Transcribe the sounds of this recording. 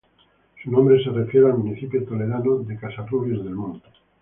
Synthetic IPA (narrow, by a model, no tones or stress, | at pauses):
sunõmbɾeserefjeɾealmuniθipjot̪oleðanoðekasaruβezðelmũnd̪o